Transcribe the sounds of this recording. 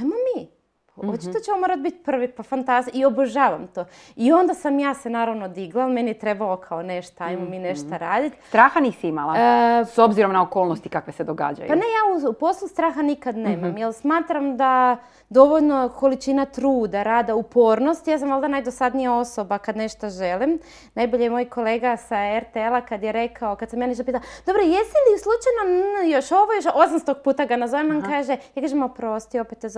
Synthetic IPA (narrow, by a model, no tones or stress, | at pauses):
ajmami | pot͡ʃit̪ot͡ɕemomoɾat̪̚bit̪pr̩ʋipafant̪azio̞boʒaːʋamt̪oː | io̞nd̪asamjaːse̞naːɾaʋno̞d̪iɡlˠalme̞nijet̪ɾe̞balokʰaone̞ʃt̪oajmomiːne̞ʃt̪aɾaːd̪it̪st̪ɾaːxaniːsiimalˠasobziɾo̞mnaokoːlˠnost̪ikakʋe̞sed̪oɡa̰ːd͡ʒa̰jupane̞jaːuupo̞slˠust̪ɾaːxanikad̪ne̞ːmamjelsmaːt̪ɾamd̪a | d̪o̞ʋoʎno̞ko̞lit͡ʃinat̪ɾuːd̪aɾaːd̪aupo̞ːɾno̞st̪jaːs̬amolˠd̪anajd̪osad̪nijao̞so̞bakad̪ne̞ʃt̪oʒe̞lim | najbo̞ʎejemojko̞le̞ːɡasaeɾt̪eelˠakad̪jeɾe̞kʰaokad̪samjaniʃt̪opiːt̪ald̪̥o̞bɾojesiliuslˠut͡ʃajnonjoʃoʋojoʃosamst̪oɡ̚puːt̪aɡanazoʋemnankaːʒejakaʒemopɾo̞st̪io̞pet̪ːez